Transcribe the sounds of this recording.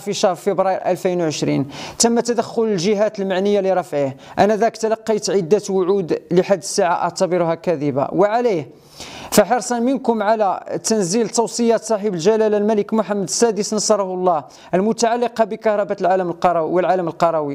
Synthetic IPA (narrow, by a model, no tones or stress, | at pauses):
fiʃɑhɾˤfibɾˤɑjɾʔælfinwʕəʃɾḭnt̪əmːæt̪æd̪æxːʊləlʒəɦæt̪əlmaʕnəjːaliɾˤɑfʕihʔænæd̪ækt̪ælɑqːijt̪ʕəd̪ːæt̪wʊʕud̪ləħad̪ːəsːaʕaʔɑ̰ʕt̪ɑbəɾʊhækæd̪iba̰wəʕalih | fæħɑɾˤsˤɑnmənkʊmʕalæt̪ænzilt̪ɑwsˤəjæt̪sˤɑħibəlʒælælælmæləkmʊħamːəd̪əsːæd̪əsnɑsˤɑɾˤɑhlˤːɑh | ʔəlmʊt̪aʕalːiqɑbikɑhɾˤɑbæt̪lʕaləməlqɑɾˤɑwwəlʕaləməlqɑɾˤɑwi